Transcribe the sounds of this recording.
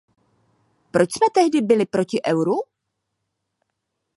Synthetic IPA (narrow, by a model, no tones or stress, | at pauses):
pɾot͡ʃsmɛt̪ɛɦdɪbɪlɪpɾo̞cɪʔɛwɾu